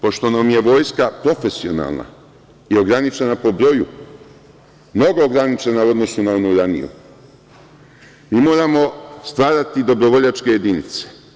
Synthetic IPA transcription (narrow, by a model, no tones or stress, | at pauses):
po̞ʃt̪o̞namje̞ʋo̞ːjskapɾo̞fe̞sio̞na̰lˠna̰ | io̞ɡɾanit͡ʃe̞napo̞bɾo̞ju | mno̞ɡo̞ːɡɾanit͡ʃe̞nauo̞d̪no̞sunaonuɾanḭjṵ | miːmo̞ːɾamo̞st̪ʋaːɾat̪id̪o̞bɾo̞ʋo̞ʎat͡ʃke̞jed̪inḭt̪se̥